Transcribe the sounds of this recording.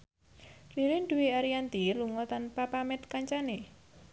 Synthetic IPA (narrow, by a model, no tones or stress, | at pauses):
riɾɪnɖuwiaɾiant̪iluŋɔt̪anpapamɛt̪̚kaɲt͡ʃane